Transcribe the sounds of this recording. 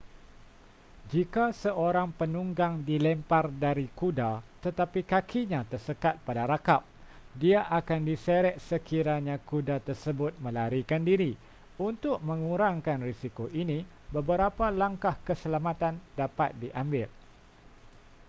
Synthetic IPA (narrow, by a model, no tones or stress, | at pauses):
d͡ʒikasəʔoɾaŋpənuŋɡaŋdilɛmpardaɾikudat̪ət̪apikakʰiɲãt̪ərsəkat̪̚padaɾakap̚diaʔakandisəɾɛʔsəkiɾaɲãkudat̪ərsəbʊt̪̚mə̃laɾikandiɾi | unt̪ʊk̚mə̃ŋuɾaŋkanrisikoʔinĩ | bəbəɾapalaŋkahkəsəlamãt̪andapat̪̚diʔambɪl